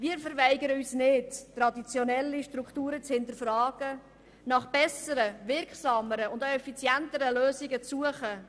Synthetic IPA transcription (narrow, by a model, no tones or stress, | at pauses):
viːəɾfəɾvæɪɡəɾəysnɪttːɾɑdit͡sjonɛlːiʃtɾukχtuːɾət͡shɪntəɾfrɑːɡ̥ə | nɑχb̥ɛsəɾəvɪɾkχsɑməɾəʊndaɛfit͡sjɛntəɾəløːsiɡət͡sːuəχə